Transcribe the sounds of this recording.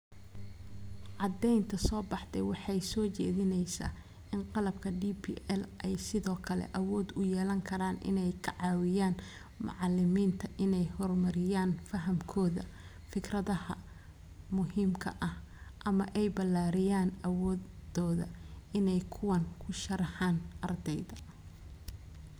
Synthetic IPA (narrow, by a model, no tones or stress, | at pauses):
ʕɑd̪ɛjnt̪ʰɐsɔːbɑħd̪ɛwɑħɑjsɔːt͡ʃɛ̰ːðɪnɛjsa̰ː | ɪnqɑlɐb̚kʰɐɖiːpʰḭʔɛlʔɛjsɪðɔːkʰɐlɛ̰ʔɐwɔːd̪ʊjɛːlɐŋkʰɐɾaːnʔɪ̰nɛjkʰɐʕɑːwɪjaːn | mɑ̰ʕɑlɪmiːnt̪ʰɐʔɪnɛjhɔrmɐɾɪjaːnfɐɦɐmkʰɔːðɐ̰ | fɪkʰrɐðɐhɐ | mʊɦiːmkʰɐ̰ʔɐhʔɐmɐʔɛjbɐlaːɾɪjaːnɐwɔːɔːðɐ̰ɪnɛjkʰʊwɐnkʰʊʃɐɾɐħɑːnʔɐrd̪ɛjðɐ